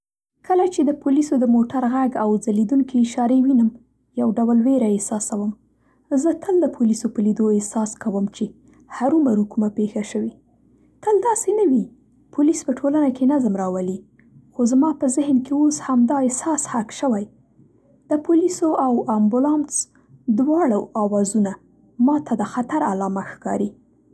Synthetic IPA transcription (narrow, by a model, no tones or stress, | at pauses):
kʰəlat͡ʃed̪əpulisod̪əmoʈaɾɣaɡawd͡zalid̪uŋkʰeːʃɑɾewinəm | jawɖawlweɾaesɑsawəm | zət̪ʰəld̪əpʰulisopəlid̪oesɑskawəmt͡ʃe | haɾumaɾukumapexaʃəwi | t̪əld̪ɑsenawi | pʰulispəʈʰolanakenazmɾɑwəli | xozmɑpəzɪhnkeoshamd̪ɑesɑshakʃəwaj | d̪̥əpulisoʔawambʊlɑns | d̪wɑɽawɑwɑzuna | mɑt̪ʰad̪əxat̪aɾalɑmaxkɑɾi